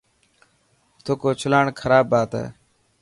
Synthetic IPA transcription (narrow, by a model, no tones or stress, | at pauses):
t̪ʰoːkoːt͡ʃʰʊlaːɳkʰəɾaːbːaːt̪ɛ̰ː